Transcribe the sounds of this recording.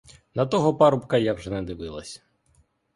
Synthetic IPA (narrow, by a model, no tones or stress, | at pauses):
nɐt̪ɔɦɔpɑɾʊpkɐjawʒɛnɛd̪ɪʋɪlˠɐ̰sʲ